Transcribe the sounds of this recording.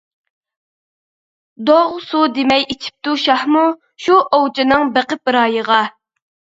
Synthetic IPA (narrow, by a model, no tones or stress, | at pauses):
d̪oʁsud̪emɛjit͡ʃʰi̥p̚t̪uʃɑhmu | ʃuʔowt͡ʃʰɪnɨŋbeqəp̚ɨɾɑːjəʁɑ